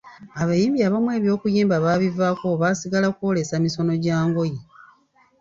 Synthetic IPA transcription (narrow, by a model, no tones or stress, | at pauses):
aβajiːmbiaːβamwe̞ːβjo̞ːkujiːmbaβaːβivaːko̞βasiɡalakuo̞le̞samiso̞no̞ɟaːŋɡo̞ji